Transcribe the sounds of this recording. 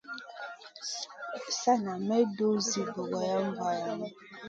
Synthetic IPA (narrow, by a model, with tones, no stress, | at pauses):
sa˦na˨mɛ˦do˦zi˨bo˨ɡɔ˨jɔ˦m̩˦ba˦ja˨nɛ˦